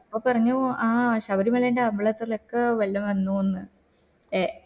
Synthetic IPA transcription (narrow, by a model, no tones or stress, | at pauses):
ipːoːpɐrɐɲːuaːɕɐʋɐɾimɐɭɐjndeɐmbɐɭɐt̪ːilokːeʋɐlːɐmʋɐnːuːonːɨ | e